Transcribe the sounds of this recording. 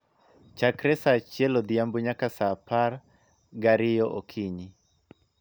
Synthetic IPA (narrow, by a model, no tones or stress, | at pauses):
t͡ʃakɾɛsat͡ʃjɛlɔd̪iambuɲakasapar | ɡaɾɪjɔʔokʰiɲɪ